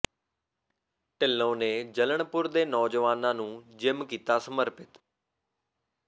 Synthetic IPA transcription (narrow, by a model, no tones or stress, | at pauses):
ʈɪlːõːneːd͡ʒələɳpʊɾd̪eːnɔːd͡ʒəʋaːnãːnũːd͡ʒɪmkiːt̪aːsəməɾpɪt̪